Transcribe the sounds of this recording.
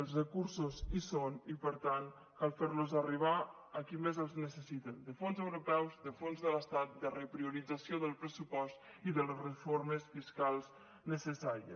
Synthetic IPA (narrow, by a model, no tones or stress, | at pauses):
əlˠzrəkuɾsuzisonipəɾt̪an | kalˠfeɾluzariβ̞a | əkimezəlˠznəsəsit̪ənd̪əfonzəwɾupɛwzðəfonzðələst̪at̪̚d̪ərəpɾiuɾid͡zasioðəlˠpɾəsupɔst̪ | iðələsrəfoɾməsfiskalˠz | nəsəsaɾiə̰